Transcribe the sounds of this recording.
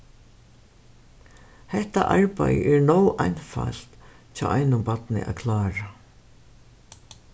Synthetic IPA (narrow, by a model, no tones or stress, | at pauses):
hɛht̪a̰ʔaɹpajʔɛɹnowʔajnfal̥t̪ | t͡ʃʰaːʔajnʊmpat̪nɪ̰ʔa̰kʰlaːɾa